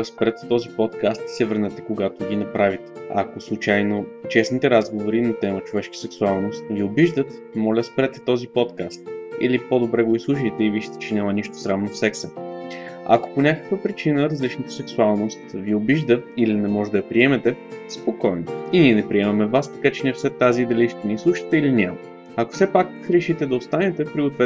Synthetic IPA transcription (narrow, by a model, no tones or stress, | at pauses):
spɾɛt̪ːɔzipɔt̪kast̪sɛvəɾnɛt̪ɛkoɡat̪oɡʲinɐpɾavit̪ɛ̥a̰koslˠut͡ʃajnot͡ʃɛsnit̪ɛɾazɡovoɾinɐt̪ɛmət͡ʃovɛʃkə̥sɛksualˠnost̪viobiʒd̪ət̪ | mɔlʲəspɾɛt̪ɛ̥t̪ɔzipɔt̪kast̪ḭlipod̪obɾɛɡoislˠuʃ̬əjt̪ɛiviʃi̥t̪ɛ̥t͡ʃɛnʲaməniʃt̪o̥sɾavnofsɛksə | ɐ̰ko̥ponʲakə̥kvəpɾit͡ʃinəɾɐzlit͡ʃnət̪ə̥sɛksualˠnost̪viobiʒd̪əilinɛmɔʒɛd̪ɐɐpɾiɛmɛt̪ɛspokɔjnoinʲiɛnɛpɾiɛmɐmɛvast̪ɐ̥kat͡ʃɛniɛfsɛt̪ːaziːd̪ɐliʃt̪ɛnislˠuʃə̥t̪ɛilinʲamə | ɐko̥fsɛpak | ɾɛʃit̪ɛd̪ɐost̪anɛt̪ɛpɾiɡot̪vɛ